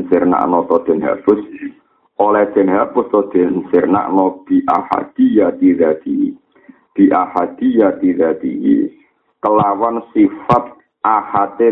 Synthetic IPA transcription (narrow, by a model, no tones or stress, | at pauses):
nsɪrna̰ʔnɔt̪ɔd̪̥ɛ̤nɦa̰pʊs | ʔolɛd̪̥ɛ̤nɦabʊst̪ɔd̪̥ensɪrna̰ʔnɔb̥iʔa̰ha̰d̪̥ijat̪id̪ad̪̥i | b̪̥i̤ʔahad̪̥ijat̪id̪ad̪̥ḭjḭ | kəlawansifat̪̚ | ʔahat̪e